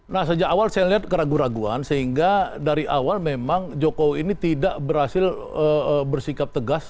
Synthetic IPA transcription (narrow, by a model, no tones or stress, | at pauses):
nahsəd͡ʒakawalsajaliɦat̪̚kəɾaɡuɾaɡua̰nsəɦiŋɡadaɾiʔawalmemaŋd͡ʒokowiːnit̪idaʔbərhasɪləəbərsikap̚t̪əɡas